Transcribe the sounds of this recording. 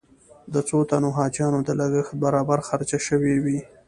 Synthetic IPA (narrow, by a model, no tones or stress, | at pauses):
d̪ət͡sot̪anoɦɑd͡ʒjɑnod̪əlaɡəxt̪̚baɾɑbaɾxaɾt͡ʃaʃəwewi